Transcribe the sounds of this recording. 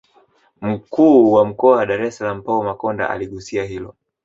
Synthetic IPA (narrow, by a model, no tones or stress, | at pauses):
m̩kʰuːwam̩kɔawaɗaɾɛsalam̩paumakɔnda̰ʔa̰liɠusiaɦilɔ